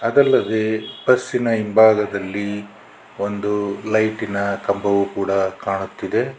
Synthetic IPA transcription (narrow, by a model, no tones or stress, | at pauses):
ɐd̪ɐlːɐd̪ebɐsːinɐimbʱaːɡɐd̪ɐlːi | o̞nd̪ulɐjʈinɐkɐmbʱɐʋukuːɽɐkaːɳut̪ːid̪e̞